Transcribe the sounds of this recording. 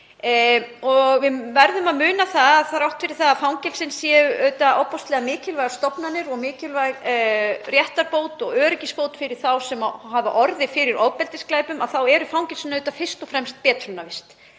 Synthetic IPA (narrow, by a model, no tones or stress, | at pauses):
ɔɣvɪvɛɾðʏmaðmʏːnaθaðaðθaɾawht̪fɪɾɪɾ̥θaðafawŋcɛlsɪnsjɛʏœɥt̪aʔɔwpɔst̪lɛɣamɪːcɪlvajɣast̪ɔpnanɪɾɔɣmɪːcɪlvajɣ | rjɛht̪aɾpoːwt̪ɔɣœːɾʏcispowt̪fɪɾɪɾ̥θawsɛmahava̰ʔɔɾðɪfɪɾɪɾoːwpɛlt̪ɪsklaːjpʏmaðθawɛɾʏfawŋcɛlsɪnːœɥt̪afɪr̥st̪ɔfɾɛmst̪̚pɛːt̪ɾʏnavɪst̪